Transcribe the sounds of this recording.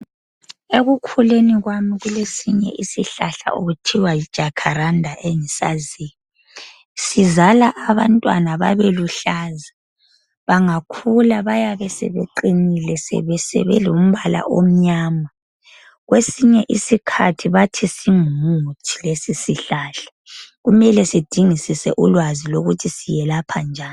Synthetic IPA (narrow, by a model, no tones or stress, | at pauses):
eɣukʰuleniɣwamiɣulesiɲɛ̰ʔisiɬaɬa̰ʔoɣutʰiwajid̥ʒ̥ʱakʰaɾandʱaʔeŋisa̰ziːni | sizalaʔːβantʼwa̰naβaβeluɬaza | βaŋakʰulaβajaβɛsɛ̰βḛǃinilɛsɛ̰βɛsɛ̰βɛ̰lum̩βala̰ʔom̩ɲaːma | ɣwesiɲɛʔisikʰa̰tʰiβatʰisimutʰi̥lesisiɬaɬḁ | ɣumɛlɛsid̥ʱiŋisisɛ̰ʔulwaziloɣutʰisijɛlapʰand͡ʒʱaːn